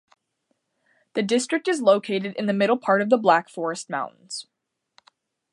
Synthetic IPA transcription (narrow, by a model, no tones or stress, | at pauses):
ðɨdɪstɹ̥ɨk̚tɨzloʊkʰeɪɾɨɾɨ̃nðɨmɪɾl̩ˠpʰɑɹɾʌvðəblækfɔɹɨst̚mã̰ʊ̃nʔn̩z̥